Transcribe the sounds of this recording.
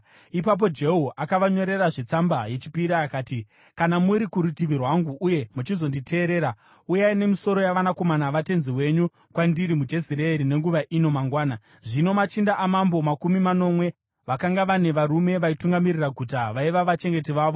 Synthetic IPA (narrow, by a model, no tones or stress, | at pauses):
ipap̬o̞d͡ʒe̞ɦuʔakaʋaɲo̞ɾe̞raʐet͡sambaje̞t͡ʃi̥piɾaːkaːti | kanamuɾikuɾutiʋirwaŋɡuʔːje̞mut͡ʃizo̞nditʰe̞ːɾe̞ːɾa | ujaine̞miso̞ɾo̞jaʋanako̞manaʋate̞nziwe̞ɲu | kwandiɾimud͡ʒe̞siɾeːɾine̞ŋɡuʋaʔino̞maŋɡwaːna | ʐino̞mat͡ʃindaʔːmambo̞makumimano̞mwe̞ | ʋakaŋɡaʋane̞ʋaɾume̞ʋaituŋɡamiriraɡʱutaʋaiʋaʋat͡ʃe̞ŋɡe̞tiʋaːʋo̞